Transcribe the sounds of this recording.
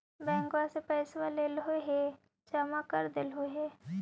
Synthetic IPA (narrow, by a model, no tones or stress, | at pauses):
bɛ̃ːŋkwasepɛːsʋaleːlɦoɦe | d͡ʒamakəɾd̪ɪlɦoɦeː